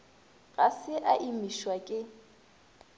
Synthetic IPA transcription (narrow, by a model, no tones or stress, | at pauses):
ɣasɪʔaʔimiʃwakʼɪ